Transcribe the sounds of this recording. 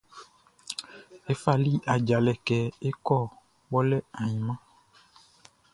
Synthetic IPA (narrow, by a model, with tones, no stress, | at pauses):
e˦fa˦˨li˦ʔa˨d͡ʒa˨lɛ˨kɛ˨e˦kɔ˦ | wɔ˦lɛ˦a˨ɲĩ˨mã˦